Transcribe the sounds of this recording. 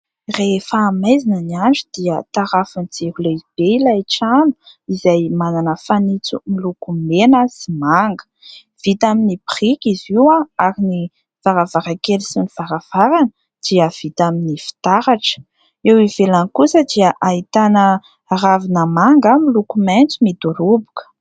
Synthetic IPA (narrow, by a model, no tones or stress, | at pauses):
refaːmajzinəniaɳd͡ʒud̪̥iət̪aɾafunid͡zehuleib̥eilaiʈ͡ʂanu̥izajmananəfanit͡sumilukumenəsimaŋɡə̥ | v̥it̪aminipirikiziwaaɾini | v̥aɾavaɾakelisiniv̥aɾav̥aɾan | d̪̥iəv̥it̪aminifi̥t̪aɾaʈ͡ʂə̥ | ewivelanikusəd̪iəʔait̪anə | ravinəmaŋɡəmilukument͡sumid̪uɾubu̥kə̥